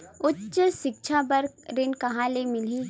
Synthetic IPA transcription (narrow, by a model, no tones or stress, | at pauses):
ʊtːʃəʃɪk̚t͡ʃʰabɐɾkɾɪnkɐɦãːlemɪli